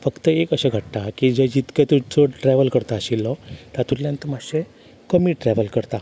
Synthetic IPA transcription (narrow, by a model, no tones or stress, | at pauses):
fəkt̪əekəɕaɡʱəʈt̪akid͡ʑəd͡ʑit̪ket̪ut͡soʈɾɛʋəlkəɾt̪aːɕilːɔt̪at̪uɾljãnt̪əmaɕe | kəmiːʈɾɛʋəlkəɾt̪a